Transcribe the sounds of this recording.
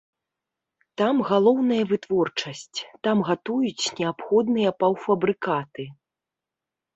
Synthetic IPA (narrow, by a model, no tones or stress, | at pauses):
t̪amɣalˠɔwnɐjɐvɨt̪vɔrt͡ʂɐsʲt͡sʲt̪amɣat̪ujut͡sʲnʲɛapxɔd̪nɨjɐpɐwfɐbɾɨkat̪ɨ